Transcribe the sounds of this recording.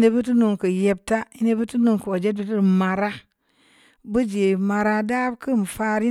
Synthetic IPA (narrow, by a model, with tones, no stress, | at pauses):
ne˨bu˦tu˦nu˨ŋkə˨je˨b̚ta˦i˦ne˦bu˦tu˦nu˨ŋku˨wo˨d͡ʒe˦t̚bə˦tu˦˨ma˨ɾa˦ | bɨ˦d͡ʒe˨ma˨ɾa˦da˦bkə˦˨m˨fa˦ɾi˦